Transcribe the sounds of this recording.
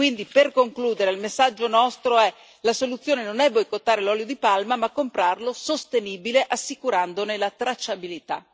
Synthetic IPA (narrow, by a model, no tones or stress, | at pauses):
kwind̪iperkoŋkluːd̪eɾeilmesːad͡ʒːonɔst̪ɾoɛ | lasolut̪sːjoːnenonɛbːojkot̪ːaːɾelɔːljod̪ipalmamakːompɾarlosost̪eniːbileʔasːikuɾand̪onelat̪ɾat͡ʃːabilit̪a̰